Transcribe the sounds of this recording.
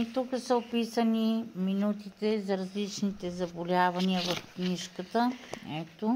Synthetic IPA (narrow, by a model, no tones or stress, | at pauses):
it̪ukəsəopisəniminut̪it̪ɛzɐɾɐzlit͡ʃnit̪ɛzɐbolʲavɐniəvɐfkniʃkət̪əɛt̪o